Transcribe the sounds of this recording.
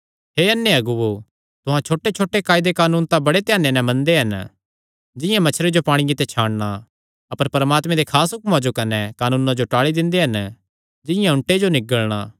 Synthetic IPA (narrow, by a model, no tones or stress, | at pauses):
ɦeːɐnːeɐɡʊʋo | t̪ʊɦãt͡ʃʰoːʈet͡ʃʰoːʈekaːɪd̪ekaːnuːnt̪ãbɐɽet̪ɪjaːnːenɛ̃mɐ̃nd̪eɦɐn | d͡ʒɪjãmɐt͡ʃʰɾed͡ʒopaːɽ̃ɪjẽt̪et͡ʃʰaːɽɽ̃a | ɐpəɾpɐɾmaːt̪mẽd̪ekʰaːsɦʊkmãd͡ʒokɐnɛkaːnuːnãd͡ʒoʈaːɭid̪ɪ̃nd̪eɦɐn | d͡ʒɪ̃jãʊ̃ɳʈed͡ʒonɪɡəɭɽ̃a̰ː